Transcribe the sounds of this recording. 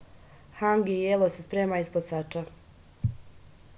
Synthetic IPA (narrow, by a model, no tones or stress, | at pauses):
haŋɡijelˠosespɾeːmaisposat͡ʃa